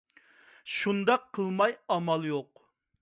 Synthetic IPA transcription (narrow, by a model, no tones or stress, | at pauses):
ʃund̪ɑqʰːəlˠmɑjɑmɑlˠjoq